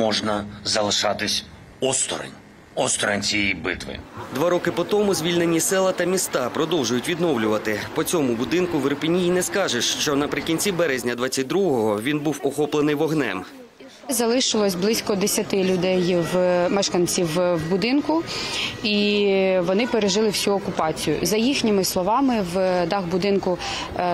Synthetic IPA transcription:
mɔʒnɐzɐlˠɪʃɑt̪ɪsʲ | ɔst̪ɔ̰ɾɐ̰nʲ | ɔst̪ɔɾɐ̰nʲt͡sʲijɛjbɪ̰t̪ʋɪ̰d̪ʋɑɾɔkɪpɔt̪ɔmʊzʲʋʲilʲnenʲisɛlˠɐt̪ɐmʲist̪ɑpɾɔd̪ɔwʒʊjʊtʲʋʲid̪nɔwlʲʊʋɐt̪ɪpɔt͡sʲɔmʊbʊd̪ɪnkʊʋeɾpʲinʲijinɛskɑʒeʃt͡ʃɔnɐpɾɪkʲinʲt͡sʲibɛɾɛzʲnʲɐd̪ʋɑt͡sʲːɐt̚ʲd̪ɾuɦɔɦɔʋʲinbuwɔxɔplˠenɪjʋɔɦnɛ̰m | zɐlˠɪʃɪlˠɔsʲblˠɪsʲkɔd̪esʲɐt̪ɪlʲʊd̪ɛjwmɛʃkɐnʲt͡sʲiwwbʊd̪ɪnkʊ | iʋɔnɪpeɾeʒɪlˠɪwsʲuɔkʊpɑt͡sʲijʊ̰zɐjixnʲɪmɪslˠɔʋɑmɪwd̪ɑɣbʊd̪ɪnkʊ

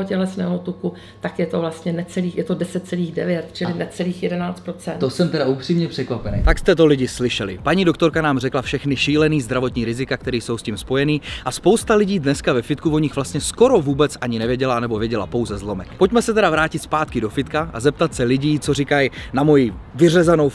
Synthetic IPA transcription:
ocɛlɛsnɛːɦot̪uku | t̪akjɛt̪ovlast̪ɲɛnɛt͡sɛliːxjɛt̪odɛsɛt̪̚t͡sɛliːxdɛvjɛt̪̚t͡ʃɪlɪnɛt͡sɛliːxjɛdɛnaːt͡st̪̚pɾot͡sɛ̰nt̪osɛmt̪ɛdaʔupr̥iːmɲɛpr̥ɛkvapɛnḛjt̪akst̪ɛt̪o̞lɪɟɪslɪʃɛlɪ̰paɲiːdo̞kt̪o̞ɾkanaːmrɛklafʃɛxnɪʃiːlɛniːzd̪ɾavo̞t̪ɲiːɾɪzɪkak̚t̪ɛɾiːso̞wsciːmspo̞jɛniːʔaspo̞wst̪alɪɟiːdnɛskavɛfɪt̪kuvo̞ɲɪxvlast̪ɲɛsko̞ɾo̞vuːbɛt͡sʔaɲɪnɛvjɛɟɛlanɛbo̞vjɛɟɛla̰po̞wzɛzlo̞mɛkpo̞cmɛsɛt̪ɛɾavɾaːcɪt̪spaːt̪kɪdo̞fɪt̪kaʔa̰zɛp̚t̪at̪sɛlɪɟiːt͡so̞rikajnamo̞jivɪrɛzano̞w

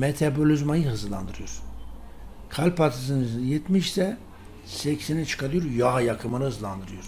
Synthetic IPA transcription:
met̪ʰabo̞lʲyzmajɯɦɯzlˠa̰nd̪ɯɾɯjoɾ | kʰalʲpat̪ʰɯs̬ɯnɯjɛt̪miʃsɛ | sɛcsenɛt͡ʃʰɯ̥kʰaɾɯjoɾjaɦajakʰɯmɯnɯhɯzlˠand̪ɯɾɯjoɾ̥

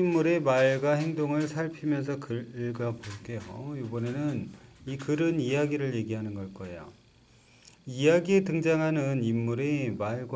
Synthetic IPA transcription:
imːuɾe̞maɭɡaɦe̞ŋdoŋɯɭsʰaɭpʰimjʌns̬ʰʌkɯɡapoɭk͈ejo̰jubʌne̞nɯnikɯɾɯnijaɡiɾɯɭje̞ɡiɦanɯnɡʌɭk͈ʌejo̰ | ijaɡietɯŋd͡ʑaŋɦanɯnimːuɾe̞maɭɡw

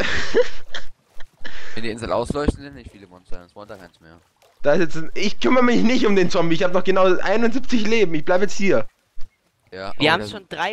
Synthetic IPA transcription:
ɪndiːʔɪnzl̩ʔa̰ʊslɔʏçtn̩dɛnɪçfiːləmɔnt͡sɛɐnsmɔnd̥aːkʰaɪsmeːɐ | d̥aːɪsɛt͡sɪçkʰʏmɐʁəmɪçnɪçtʊmdeːnt͡sɔmbiɪçhaːbənɔχɡ̥ənaʊʔa̰ɪnʊntzip̚t͡sɪçleːbm̩ɪçb̥laɪbəjɛt͡sthiːɐ | jaːviːɐhaːbmʃoːndʁaɪ

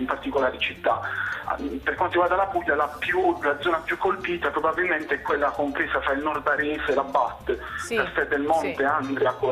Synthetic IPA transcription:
impart̪ikolaːɾit͡ʃit̪ːa̰ | peɾrkwant̪oɾiɡward̪alapuʎːalapjulad̪zɔːnapjukːolpiːt̪apɾobabilment̪eɛkwelːakompɾeːsafɾailnɔrd̪aɾisɛlabat̪ːlast̪ɛd̪elmɔnt̪eand̪ɾako

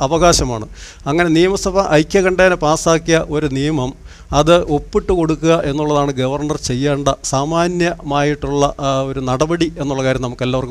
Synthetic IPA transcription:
ɐʋɐɣaːɕɐmaːɳɨ | ɐŋːɐne̞nijɐmɐsɐbɐʔɐjkʲːekɐɳɖeːnepaːsaːkːijɐʔo̞ɾunijɐmɐm | ɐðɨo̞pːiʈːɨko̞ɽukːuɣɐʔe̞nːuɭːɐðaːɳɨɡɐʋɐrɳɐrt͡ɕe̞jːaːɳɖɐsaːmaːnjɐmaːjiʈːuɭːɐo̞ɾunɐɽɐbɐɽie̞nːuɭːɐkaːɾjɐmnɐmukːe̞lːaːʋɐrk

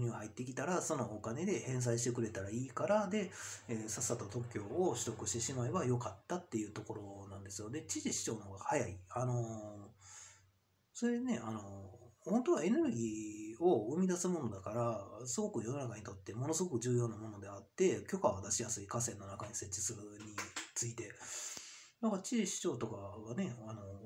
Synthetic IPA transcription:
ɲʲɯːhait̪ːe̞kʲi̥t̪aɾaso̞no̞ːkane̞d̪e̞hẽ̞ɰ̃s̬aiɕi̥t̪e̞k̬ɯ̟ɾe̞t̪aɾaiːkaɾad̪e̞esasːat̪ot̪o̞kʲːo̞ːoɕi̥ɾo̞kɯ̟ɕi̥t̪e̞ɕimae̞bajo̞kat̪ːat̪ːe̞jɯ̟ːt̪o̞ko̞ɾo̞nãnd̪e̞sɨjo̞d̪e̞t͡ɕiʑiɕi̥t͡ɕo̞ːno̞ɡahajaiano̞ | so̞ɾene̞ano̞hõ̞nt̪o̞βae̞ne̞ɾɯ̟ɡʲiːo̞ɯ̟mʲid̪asɨmo̞no̞d̪akaɾasɨɡo̞kɯ̟jo̞no̞nakaɲ̟it̪o̞t̪ːe̞mo̞no̞sɨɡo̞kɯ̟ʑɨːjo̞ːnamo̞no̞d̪e̞at̪ːe̞kʲo̞kaβad̪aɕijasɨikas̬ẽ̞nːo̞nakaɲ̟ise̞tt͡ɕːi̥sɨɯɲ̟it͡sɨit̪e̞ | d̪akaɾat͡ɕiʑiɕi̥t͡ɕo̞ːt̪o̞kaɡane̞ano̞

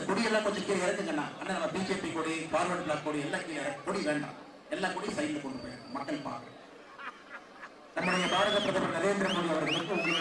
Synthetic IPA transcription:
ɐkɔɽɪɛlːãːkɔɲd͡ʒɐ̃kːiːɾɐɪɾɐnd̪ɯŋɡɐnːã̰ːʔɐnːaːnɐmːɐbiːd͡ʒeːpikoːɽifaːɾlɐɳɖlaːkːoːɽiɛlːaːkiːɾɐkɔɽiʋeːɳɖa̰ː | ɛlːaːkɔɽisɐjnd̪ɐkɔɳɖɯpoːjɐɳɖã̰mɐkːɐɭpa̰ːɾkɯɾɐ | nɐmːɐɽɐjɐpaːɽɐɣɐt̪ːɐðɐpːɐnɐleːnd̪ɪɾɐmɡoːɽiɐʋɐɾɯkɯɪkːɯʊmɐ

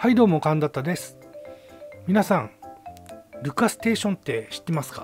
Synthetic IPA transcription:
haid̪o̞ːmo̞kãnd̪at̪ːad̪e̞sɨ̥ | mʲinasãŋ | ɾɯ̟kasɨ̥t̪e̞ːɕõ̞nt̪ːe̞ɕi̥t̪ːe̞masɨ̥kḁ

